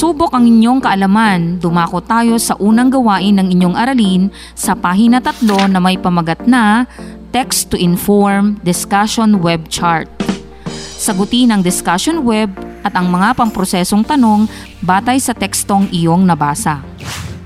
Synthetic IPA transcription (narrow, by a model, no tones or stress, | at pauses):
suːbo̞kʔɐŋɪɲjo̞ŋkɐʔɐlɐmand̪ʊmaːkot̪ːaːjo̞sɐʔuːnɐŋɡɐwaːʔɪnːɐŋɪɲo̞ŋʔɐɾɐlin | sɐpaːɦinɐt̪ɐt̪lo̞nɐmɐjpɐmɐɡɐt̪̚nɐt̪ɛkst̪ːʊʔɪnfoɹmd̪ɪskaʃonwɛb̚t͡ʃaɹt̪̚ | sɐɡʊt̪inɐŋd̪ɪskaʃonwɛb̚ʔɐt̪ɐŋmɐŋapɐŋpɾo̞sɛːso̞ŋt̪ɐno̞ŋ | baːt̪ɐjsɐt̪ɛkst̪o̞ŋʔɪjo̞ŋnɐbaːsɐ